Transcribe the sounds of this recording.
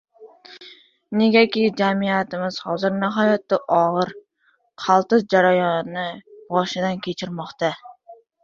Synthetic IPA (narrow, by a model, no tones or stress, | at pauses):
neɡʲakʲid͡ʒæmijæt̪ɪmɪz̥hɒ̰zɨɾnɪɦɒːjɑt̪ːaʔɒʁɨɾ | qʰɑlˠt̪ɨzd͡ʒaɾajɑnːɪbɒʃɪd̪ankʲʰet͡ʃʰɪɾmɑqt̪ɑ